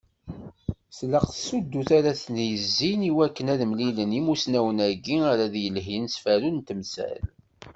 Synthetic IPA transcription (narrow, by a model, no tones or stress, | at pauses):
sləqθsud̪ːuθaɾaθnjəzːiniwækːənæðəmlilənimusnæwənæɡiaɾaðjəlɦinsfæɾunt̪əmsæ̰l